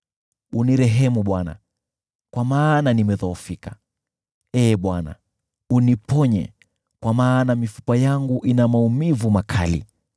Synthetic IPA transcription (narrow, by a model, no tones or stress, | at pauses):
uniɾɛɦɛmuɓwana̰ | kwamaːnanimɛðɔːfika | ɛːɓwana̰ | unipɔɲɛ̰ | kwamaːnamifu̥pajaŋɡuʔinamaumivumakʰa̰lḭ